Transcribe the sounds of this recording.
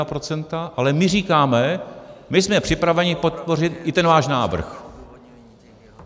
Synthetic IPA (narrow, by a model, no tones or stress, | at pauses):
apɾo̞t͡sɛnt̪aʔalɛmɪriːkaːmɛmɪsmɛpr̝̥ɪpɾavɛɲɪpo̞t̪̚po̞r̝ɪt̪ʔɪt̪ɛnvaːʃnaːvr̩̰x